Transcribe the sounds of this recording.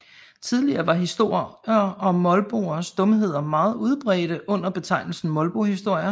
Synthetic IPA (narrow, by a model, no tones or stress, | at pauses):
t͡sʰið̞ˠliɐːʋɑ̈ɦisd̥o̝ɐ̰ɒ̽mɒ̽lb̥o̝̰ːɐsd̥ɔ̽məɦe̝ð̞̰ˠɐmɑ̈ːð̞̩ˠuð̞ˠb̥ʁɛ̰ːɾ̥əʔɔ̽n̰ɐb̥e̝t͡sʰɑ̈ɪ̰nl̩sn̩mɒ̽lb̥o̝hisd̥o̝ɐ̰jɐ